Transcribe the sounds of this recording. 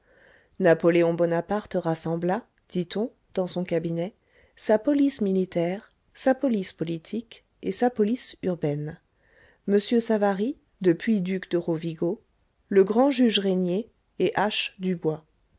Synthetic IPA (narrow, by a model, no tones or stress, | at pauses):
napɔleɔ̃bɔnapaʁt̪ʁasɑ̃bla | d̪̥it̪ɔ̃ | d̪̥ɑ̃sɔ̃kabinɛ | sapɔlismilit̪ɛʁ | sapɔlispɔlit̪ʰik | esapɔlisyʁbɛn | məsjøsavaʁi | d̪əpɥid̪ykd̪əʁoviɡo | ləɡʁɑ̃ʒyʒʁenjeː | ʔaʃd̪ybwa